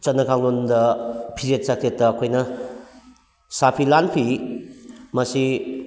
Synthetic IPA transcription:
t͡ʃɐnːɐkʰaŋnondɐpʰizet̚sakʰetːɐːkʰojnɐ | sapʰilanpʰi | mɐsi

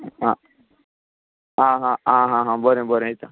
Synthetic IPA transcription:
ɦã | ɦãɦããɦãɦãbəɾẽbəɾẽit̪a

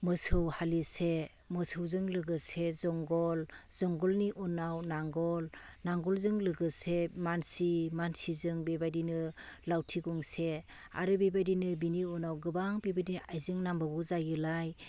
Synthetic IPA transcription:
mɯsɯwhalise | mɯsʰɯwzɯŋlɯɡɯsezɔŋɡɔlzɔŋɡɔlniʔɔnawnaŋɡɔlnaŋɡɔlzɯŋlɯɡɯsemansimansizɯŋbebajdinɯlawtʰiɡɔŋse | a̰ɾɯbebajdinɯbiniɔnawɡɯbaŋbebadinajzɯŋnambabɔzajɯlaj

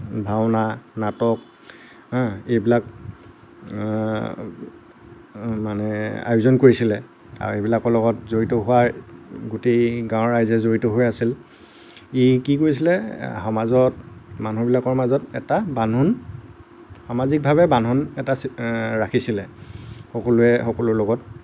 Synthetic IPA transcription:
bʱawnanatɔk̚ | ejbilak | manɛa̰juzɔnkoɹisilɛ | a̰ɹejbilakɔɹlɔɡɔtzoɹitɔɦʊwaɹɡoteɡãwɔɹajzɛzoɹitoɦojasil | ikikoɹis̬ilɛxamazɔtmanubilakɔɹmazɔtɛ̰tabanun | xamazik̚bʱaβɛbanunɛtasɹakʰisilɛxɔkɔlʊɛxɔkɔlʊɹlɔɡɔt

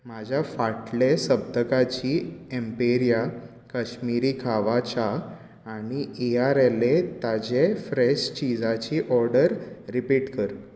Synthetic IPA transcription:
mad͡ʑʱjafaʈlesəb̚d̪ʱəkat͡ɕiːempeɾija | kaɕmiɾiːkʰaʋat͡ɕaː | ɽ̃ieaɾelet̪ad͡ʑefɾeɕt͡ɕid͡zat͡ɕiːʔɔɾɖəɾːipiʈkəɾ

